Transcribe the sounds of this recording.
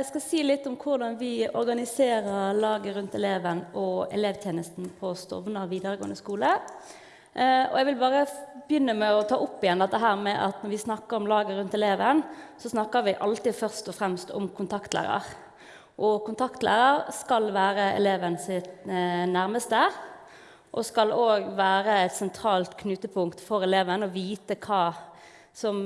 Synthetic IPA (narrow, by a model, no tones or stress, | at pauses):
ɛskɑsiːlɪt̪ːʊmkʰʊʁd̪ɑnʋɪɔɾɡɑnɪseːɾəʁlɑːɡəɾʉnt̪ɛleːʋənɔɛ̰leːʋt̪ʰjeːnəst̪n̩pʰɔst̪ɔ̰ʋnəʁʋiːd̪əʁəɡo̰ːənd̪əskuːlə | ɔ̰ɛɡʋɪlbɑːʁəbjʏnːəmæɔt̪ʰɑːʔʊpːɪjɛnd̪ɛt̪ːəɦæːʁmɛʔɑ̰t̪nɔɾʋɪsnɑkːəɾɔmlɑːɡəɾʉnt̪ɛleːʋənsɔsnɑkːəɾʋɪʔɑlt̪ɪfœʁst̪ɔfʁɛmst̪ɔ̰mkʰʊnt̪ʰɑkt̪læ̰ːɾɑ̰ɾ | ʔɔkʊnt̪ʰɑkt̪lʔæ̰ːʁəɾskɑlʋæːɾəɛ̰leːʋənsɪt̪næʁməst̪ə | ʔɔskɑloːɡʋæːɾəæt̪sɛnt̪ʰɾɑːlt̪kʰnʉːt̪əpʰʊŋkt̪fɔɾɛleːʋənɔʋiːt̪əkʰɑː | sɔm